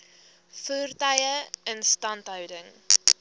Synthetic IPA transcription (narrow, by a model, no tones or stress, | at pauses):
fuːrtɐjəənstɐntɦœwdəŋ